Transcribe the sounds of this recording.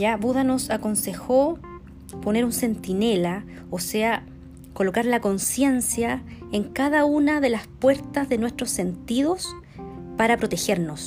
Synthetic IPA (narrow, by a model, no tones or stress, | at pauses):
ʝaβuðano̞sako̞nse̞xo | po̞ne̞ɾunse̞nt̪ine̞la | osea | ko̞lo̞kaɾlako̞nsje̞nsja | eŋkaðaunaðe̞laspwe̞ɾt̪azðe̞nwest̪ɾo̞sːe̞nt̪ið̞o̞s | paɾapɾo̞t̪e̞xe̞ɾno̞s